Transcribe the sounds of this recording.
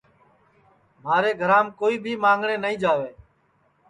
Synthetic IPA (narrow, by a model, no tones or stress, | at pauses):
maːɾeːɡʱəɾãːmkoːiːbʱiːmãːŋɡɳeːnəɦĩːd͡ʒaːʋeː